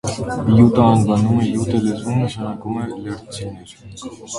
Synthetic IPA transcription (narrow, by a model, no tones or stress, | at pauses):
bijut̪əɑnbɑnumɛjut̪əlɛzmunəʃɑnɑkumɛləɾt͡sʰinɛɾ